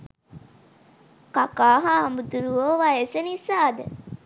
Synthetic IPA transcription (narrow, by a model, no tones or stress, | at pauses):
kakaːɦaɦambud̪uɾuoʋaesenisaːd̪ə